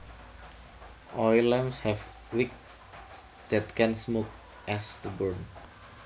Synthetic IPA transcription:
ʔɔjlɛmshɛf | wik̚ | d̪̥ɛt̪̚kʰɛnsmok̚ | ʔɛsd̪̥əbəɹn

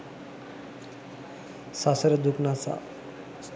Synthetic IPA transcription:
sasəɾəd̪ʱuknat͡sa̰

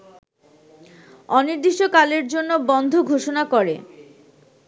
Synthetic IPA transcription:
ɔniɾd̪iʃokaleɾd͡ʑonːobɔnd̪ʱoɡʱoʃonakɔɾḛ

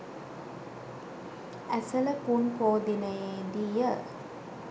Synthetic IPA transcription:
æsələpunpoːd̪inɐjeed̪ijə

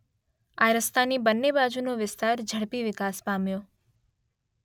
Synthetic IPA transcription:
aɾəst̪anibənːebad͡ʒunoʋɪst̪aɾd͡ʒʱəɽpiʋɪkaspamjo

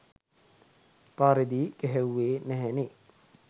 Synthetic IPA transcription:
paːɾed̪iːɡɛɦewːeːnɛɦɛne

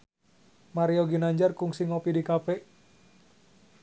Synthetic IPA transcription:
maɾioɡinaɲd͡ʒarkuŋsiŋɔpidikapɛ

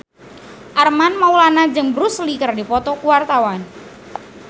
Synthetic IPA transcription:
ʔarmanmaulanad͡ʒɨŋbəɾuslikaɾadipɔt̪ɔkuwart̪awan

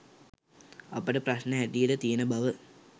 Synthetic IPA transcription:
apəʈəprasnəɦæʈijəʈət̪ijənəbaʋə

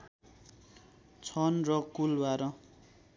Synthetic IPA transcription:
t͡sʰʌnrʌkulbaɾʌ

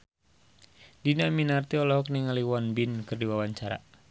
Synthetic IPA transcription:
dinaminart̪iɔlɔɦɔk̚niŋaliwɔnbinkɨrdiwawaɲt͡ʃaɾa̰

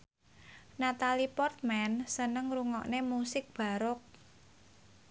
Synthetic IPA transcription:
nat̪alipɔrt̪̚mɛnsənəŋɾuŋɔʔnemusɪk̚b̥a̤ɾʊk̚

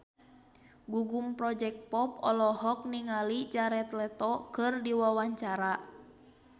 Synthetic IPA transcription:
ɡuɡumpɾɔd͡ʒɛk̚t̪̚pɔpɔ̰lɔɦɔk̚niŋalid͡ʒaɾɛt̪lɛt̪ɔkɨrdiwawaɲt͡ʃaɾa

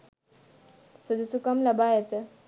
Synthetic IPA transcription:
sud̪usukɐmlɐbajet̪

